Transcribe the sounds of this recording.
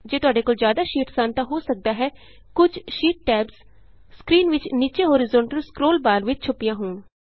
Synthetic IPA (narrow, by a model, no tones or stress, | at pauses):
d͡ʒeːt̪ʊaːɖeːkoːlzjaːd̪aːʃiːʈsaːnt̪ãːɦoːsək̚d̪aːɦɛː | kʊd͡ʒʃiːʈ̚ʈɛːbz | skɾiːnʋɪt͡ʃniːt͡ʃeːɦoːɾɪzõːɳʈəlskɾoːlbaːɾʋɪt͡ʃt͡ʃʰʊpːɪjãːɦʊːn